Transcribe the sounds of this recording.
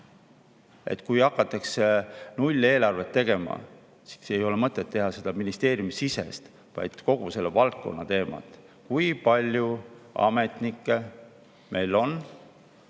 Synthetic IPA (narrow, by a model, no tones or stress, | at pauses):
e̞̰t̪ːˑkujɑkːˑɑt̪ːˑɑksenulʲːe̞ːlɑrve̞t̪ːe̞ɡ̥e̞mɑ̰ | si̥se̞jo̞lemɤt̪ːˑet̪ːe̞ɦɑse̞d̪ɑminist̪e̞ːɾjumisise̞̰st̪ | vɑ̰jd̪̥ko̞ɡ̥use̞lːevɑlt̪̚ko̞̰nːɑt̪e̞ːmɑ̰t̪ˑ | kujpɑlʲjuɑ̰me̞t̪nikːˑe̞ | mʔe̞jlo̞n